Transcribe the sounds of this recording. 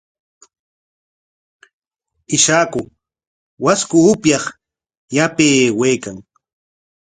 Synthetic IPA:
ɪʃaːkʊ | waskʊʊpjɑχ | japeːwejkaŋ

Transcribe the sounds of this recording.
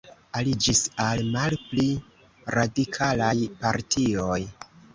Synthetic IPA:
alid͡ʒisalmalpli | ɾadikʰalajpaɾtʰioj

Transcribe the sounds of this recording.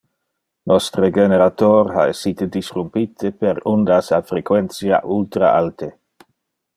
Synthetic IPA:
nɔst̪ɾeɡeneɾat̪oɾha̰esːit̪ed̪isrumpit̪ʰepeɾund̪asafɾekwɛnsja̰ʔult̪ɾa̰alt̪e

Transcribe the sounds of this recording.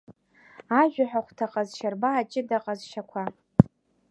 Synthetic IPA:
aʒᶣaħʷᶣaχʷtʰaqʼazʃarbaːt͡ʃʼɪdaqʼazʃakʷʰa

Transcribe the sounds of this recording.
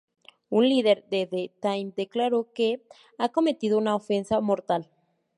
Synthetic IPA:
unliðe̞ɾðeðet̪ajnd̪e̞klaɾo̞ke̞ | ako̞me̞t̪iðounaofe̞nsamo̞ɾt̪al

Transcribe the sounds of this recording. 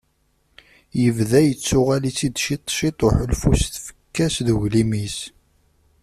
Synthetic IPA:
jəvðæjət͡sːʊʁælit͡sːid̪ʃit̪ˤːʃit̪ˤoħəlfusθfə̥kːæsðəɣlimis

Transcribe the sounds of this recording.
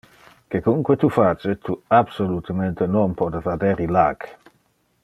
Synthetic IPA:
kekuŋkwet̪ufat͡ʃet̪uabsolut̪əment̪enonpɔd̪efad̪eɾilak

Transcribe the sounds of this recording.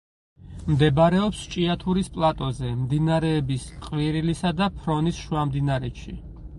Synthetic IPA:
md̪ɛbaɾɛɔpst͡ʃʼiat̪ʰuɾispʼlˠat̪ʼɔzɛmd̪inaɾɛːbisqʼviɾilisad̪apʰɾɔnisʃuamd̪inaɾɛʃḭ

